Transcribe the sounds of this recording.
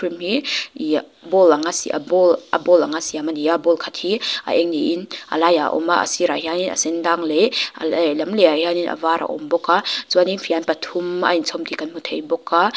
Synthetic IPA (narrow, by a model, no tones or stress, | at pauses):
kʰɾimɦii | bɔlaŋasḭʔa̰bɔlʔa̰bɔlaŋasiamaniabɔlkʰat̚hia̰ʔɛŋniʔinʔa̰laja̰ʔɔ̰maʔa̰siɾahianina̰sendaŋleallɐmleahianinʔa̰vaɾʔa̰ʔɔ̰mbɔkːazuaninfʰianpatʰuma̰int͡sʰɔmtikanmutʰejbɔkːa